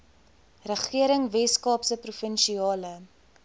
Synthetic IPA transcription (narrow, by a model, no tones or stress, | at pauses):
rəχiəɾəŋvɛskɑːpsəprufənʃiɑːlə